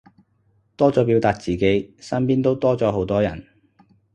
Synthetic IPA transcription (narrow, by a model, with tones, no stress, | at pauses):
t̪ɔː˥t͡sɔː˨˥pi˨˧˥wt̪aː˧k̚t͡siː˨˩ke˨˥jsɐ˥npiː˥nt̪o˥wt̪ɔː˥t͡sɔː˨˥ɦo˨˥wt̪ɔː˥jɐ˨˩n